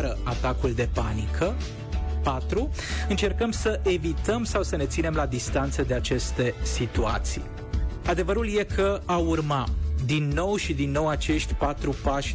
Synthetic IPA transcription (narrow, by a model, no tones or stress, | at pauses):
ɾəat̪akuld̪e̞panikʰə | pat̪ɾuɨnt͡ʃe̞rkəmsəʔe̞vit̪əmsawsəne̞t̪sine̞mlad̪ist̪ant̪səd̪e̞at͡ʃe̞st̪e̞sit̪ua̰t̪sḭj | ad̪e̞vəɾulje̞kʰəaurmad̪inːo̞wʃid̪inːo̞wat͡ʃe̞ʃt̪ʲpat̪ɾupaʃʲ